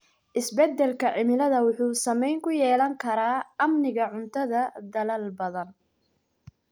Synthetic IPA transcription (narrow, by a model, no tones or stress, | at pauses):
ʔɪsbɛd̪ːɛlkʰɐʕɪmɪlɐðɐwʊħuːsɐmɛjŋkʰʊjɛːlɐŋkʰɐɾaːɐmnɪɣɐʕʊnt̪ʰɐðɐd̪ɐlɐlbɐðɐn